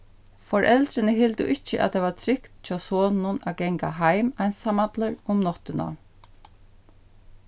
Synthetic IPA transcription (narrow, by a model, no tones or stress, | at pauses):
fɔɹʔɛlt̪ɾɪnəɦɪlt̪ʊ̰ʔɪt͡ʃːə̰ʔa̰d̪eːʋat̪ʰɾɪkt̪t͡ʃʰɑːsoːnʊnaɡɛŋkaɦajmaɪnsamat̪ləɹʊmnɔt̪ʏna̰